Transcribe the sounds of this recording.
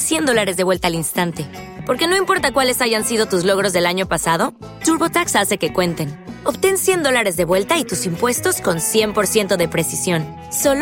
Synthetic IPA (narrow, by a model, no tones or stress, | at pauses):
sje̞nd̪o̞laɾe̞zðeβwe̞lt̪aːlinst̪ant̪e̞po̞ɾke̞no̞impo̞ɾt̪akwale̞saʝansið̞o̞t̪uzlo̞ɣɾo̞zðe̞laɲo̞pasað̞o̞ | t̪uɾβo̞t̪aksase̞ke̞kwe̞nt̪e̞no̞βt̪e̞nsje̞nd̪olaɾe̞zðe̞βwe̞lt̪ait̪usimpwe̞st̪o̞sko̞nsje̞mpo̞ɾsje̞nt̪o̞ðe̞pɾe̞sisjo̞n | so̞l